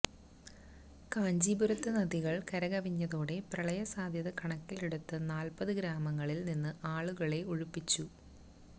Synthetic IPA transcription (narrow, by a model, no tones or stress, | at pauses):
kaːɲd͡ʑiːbuɾɐt̪ːɨnɐðiɣɐɭkɐɾɐɣɐʋiɲːɐðoːɽe̞prɐɭɐjɐsaːd̪ʱjɐðɨkɐɳɐkːiliɽut̪ːɐnaːlpɐðɨɡɾaːmɐŋːɐɭilninːɨʔaːɭuɣɐɭe̞uɻupːit͡ɕːu